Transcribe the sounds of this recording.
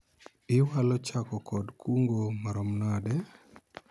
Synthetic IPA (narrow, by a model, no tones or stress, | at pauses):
ɪwalɔt͡ʃakɔkɔdkʰuŋɡomaɾɔmnadɛ